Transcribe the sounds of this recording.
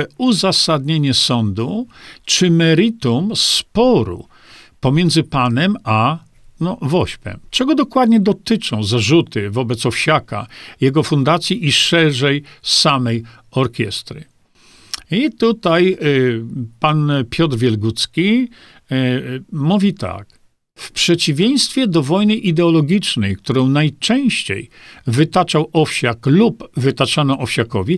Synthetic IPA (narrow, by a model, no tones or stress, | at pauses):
uzasad̪ɲeɲɛsɔnd̪ut͡ʂɘmɛɾɨt̪umspɔɾṵ | pɔmʲjɛnd̪zɘpanɛma | nɔvɔɕpɛ̰mt͡ʂɛɡɔd̪ɔkwad̪ɲɛd̪ɔt̪ɘt͡ʂɔ̃w̃zaʐut̪ɘvɔbɛt̪sɔfɕaka̰jɛɡɔfund̪at̪sʲjiʔiʂɛʐɛjsamɛj | ɔɾkʲjɛ̰st̪ɾɨ̰ | it̪ut̪aj | panpʲjɔt̪ɾvʲjɛlɡut̪skʲi | muvʲit̪a̰k | fpʂɛt͡ɕivʲjej̃st̪fʲjɛd̪ɔvɔjnɘʔid̪ɛɔlɔɡʲit͡ʂnɛjkt̪uɾɔ̃w̃najt͡ʂɛ̃w̃ɕt͡ɕḛjvɘt̪at͡ʂawɔfɕaklupvɘt̪at͡ʂanɔʔɔfɕakɔvʲi